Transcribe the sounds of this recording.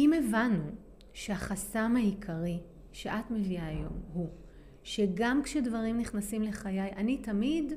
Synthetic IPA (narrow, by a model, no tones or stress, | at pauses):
imevanu | ʃeaχasamaikʰaʁi | ʃeʔatmeviaːjo̞̰mhu | ʃe̞ɡamkʃedvaʁimniχnasimle̞χajajʔanitamid